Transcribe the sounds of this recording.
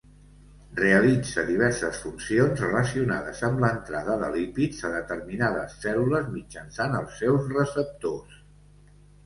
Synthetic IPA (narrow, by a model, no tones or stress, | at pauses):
reəlid͡zəðiβ̞ɛɾsəsfunsionzrələsiunaðəzəmlənt̪ɾaðəðə̰lipid͡zəðət̪ərminaðəsːɛluləzmid͡ʒənsanəlˠsːɛwzrəsəp̚t̪os